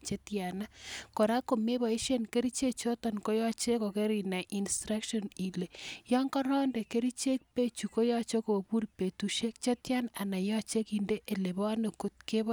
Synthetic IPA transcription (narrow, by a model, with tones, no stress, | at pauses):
t͡ʃe˦tja˨na˦ko˨ɾa˦ko˨me˦βɔ˨i˦ʃe˦nke˦ɾi˦t͡ʃe˦t͡ʃo˦tɔ˨nko˦jɔ˦t͡ʃe˦ko˨ke˦ɾi˨na˨ʔi˨nstɾa˦kʃɔ˦ni˨le˨jɔ˦ŋkɔ˦ɾɔ˦nde˨ke˦ɾi˦t͡ʃe˦k̚pe˦t͡ʃu˨ko˦jɔ˦t͡ʃo˦ko˨pu˦rpe˨tu˨ʃe˦k̚t͡ʃe˦tja˦na˨na˨jɔ˦t͡ʃe˦ki˨nde˦ʔe˨le˨βɔ˦ne˨ku˦t̚ke˦β